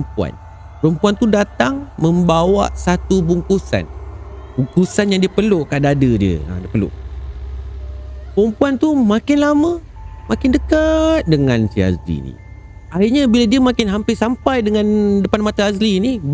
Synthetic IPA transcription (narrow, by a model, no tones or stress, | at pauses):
mpua̰n | pəɾəmpuant̪udat̪aŋmə̃mbawa̰ʔsat̪ubuŋkusa̰nbuŋkusanjaŋdiəpəlʊʔkadaːdədiə̰ə̰diəpəlʊ̰ʔ | pəɾəmpuant̪umãkɪnlamə̃ | makɪndəkat̪̚dəŋãnsḭa̰zlḭnḭ | aiʔɲabiladiəmakɪnɦampɪrsampajdəŋãndəpanmat̪aaslini